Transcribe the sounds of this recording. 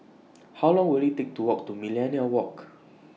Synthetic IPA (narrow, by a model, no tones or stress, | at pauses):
hawlɔ̃ŋwilitek̚tuwɔk̚tumilɛ̃niəwɔk